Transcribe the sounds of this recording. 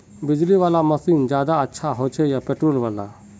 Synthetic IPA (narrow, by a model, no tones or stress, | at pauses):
bɪd͡ʒliʋaːlamɐsiːnd͡ʒjaːd̪aətːʃʰaɦot͡ʃʰejapeʈɾoːlʋaːla̰